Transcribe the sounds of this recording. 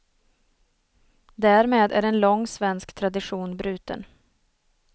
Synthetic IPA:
d̪æːɾmeːd̪æ̰ɖɛnlɔŋːsvɛnskt̪ʰɾad̪ɪɧuːnbɾʉ̟ːt̪ə̰n

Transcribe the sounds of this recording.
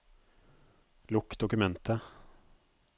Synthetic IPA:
lʊkːd̪ɔkɵmɛnt̪ʰə

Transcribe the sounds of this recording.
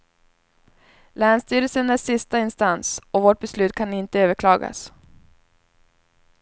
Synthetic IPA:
læːnst̪yːɾəlsənæʂɪst̪aɪnst̪ansɔvoːʈ̚bɛslʉ̟ːt̪̚kʰanɪnt̪əøːvəɾkʰlɑːɡa̰s

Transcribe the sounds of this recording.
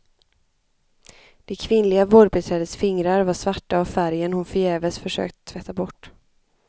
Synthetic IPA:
d̪̥ɛkʰvɪnlɪɡavoːɖ̚bɛt̪ʰɾɛːd̪əsfɪŋɾaɾvaʂvaʈːaːvfæɾjənhʊnfœjɛːvəsfœʂø̰ːk̚t̪ə̥t̪ʰːvɛt̪ʰːabɔʈː

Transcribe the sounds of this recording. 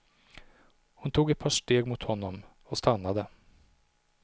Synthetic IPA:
hʊnt̪ʰuːɡɛt̪̚pʰɑːʂʈeːɡmʊt̪hɔnːɔm | ɔst̪anːad̪ə

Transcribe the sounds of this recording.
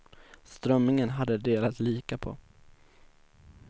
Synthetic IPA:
st̪ɾœmːnɪŋənɦad̪ːəd̪eːlat̪liːkapʰo̰

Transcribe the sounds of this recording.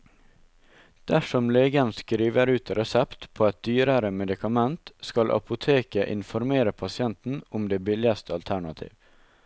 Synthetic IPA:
d̪̥æʃɔmleːɡənskɾiːʋəɾʉːt̪ɾɛsɛpt̪pʰoːɛt̪̚d̪yːɾəɾəmɛd̪ɪkʰɑmɛnt̪skɑlʔɑ̰pʊt̪ʰeːkəʔɪ̰nfɔɾmeːɾəpʰɑsɪɛnt̪n̩ʊmd̪eːbɪlɪɑst̪ʰəɑlt̪ʰæɳɑt̪ʰḭːʋ

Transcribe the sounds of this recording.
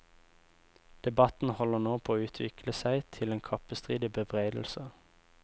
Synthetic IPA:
d̪̥ɛbɑt̪n̩hɔlənoːpʰoːoːʉːt̪ʰʋɪ̰kʰləsæɪt̪ʰɪleːnkʰɑpəst̪ʁiːd̪ɪbəbʁeɪd̪l̩sə

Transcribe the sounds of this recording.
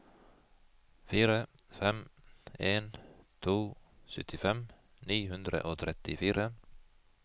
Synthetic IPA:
fiːɾə | fɛmeːnt̪ʰuːsœt̪ʰɪfɛm | niːhʉnd̪ɾə̰ʔoːt̪ʰɾɛt̪ɪfiːɾə

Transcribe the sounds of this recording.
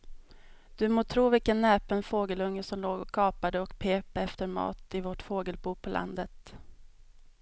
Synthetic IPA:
d̪̥ɵmoːt̪ʰɾuːvɪlkənːɛːpənfoːɡəlɵŋːəsɔmloːɡɔkʰːɑːpad̪əɔkpʰeːpɛft̪əɾmɑ̰ːt̪ɪvoʈfoːɡəlbuːpʰɔlʔa̰nd̪ət̪

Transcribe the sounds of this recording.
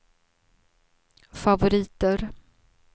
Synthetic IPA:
favʊɾiːt̪əɾ

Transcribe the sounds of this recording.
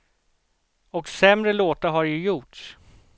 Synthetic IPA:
ɔksɛmɾəloːt̪aɾɦaɾjɵjʊʈʂ

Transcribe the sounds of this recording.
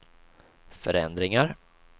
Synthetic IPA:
fœɾɛ̰nd̪ɾɪŋaɾ

